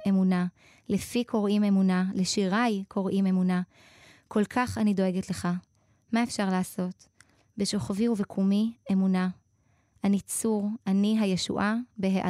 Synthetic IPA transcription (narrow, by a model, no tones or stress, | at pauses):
e̞muna | lefikʰo̞ʁime̞munaleʃiʁajkʰo̞ʁʔime̞muna | kʰo̞lkʰaχanido̞e̞ɡetle̞χa | maefʃaʁleːso̞t | be̞ʃo̞χaviuvekʰumie̞muna | anit͡suʁaniɦajeʃṵʔabeɦeʔa